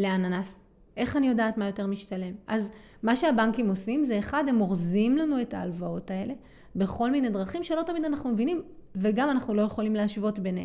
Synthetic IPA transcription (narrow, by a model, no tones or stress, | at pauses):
leananas | ʔe̞χanijo̞daːtmajo̞te̞ʁmiʃtale̞mʔaz | maʃe̞abaŋkimosimzeːχade̞moʁzimlanue̞taːlvao̞tae̞le̞ | be̞χo̞lmine̞d̪ʁaχimʃe̞lo̞tamid̪anaχnumevinimveɡamanaχnulo̞je̞χo̞limleaʃvo̞tbenḛ